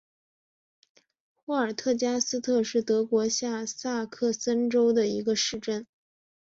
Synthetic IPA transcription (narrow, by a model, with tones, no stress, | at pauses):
xu˧˥ə˞˨˩t̪ʰɤ˥˩t͡ɕja˥sɹ̩˥t̪ʰɤ˥˧ʂɻ̩˥˩t̪ɤ˧˥kwɔ˧˥ɕja˥˩sa˥˧kʰɤ˥˩sə˥nʈ͡ʂo˥ʊd̪ə˨i˧˥ɡə˧ʂɻ̩˥˩˧ʈ͡ʂə˥˩n